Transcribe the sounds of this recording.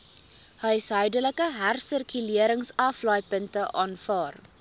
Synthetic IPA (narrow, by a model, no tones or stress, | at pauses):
hœjsɦœɥdələkəɦærsərkyliəɾəŋsɐflɑjpəntəʔɑːnfɑːr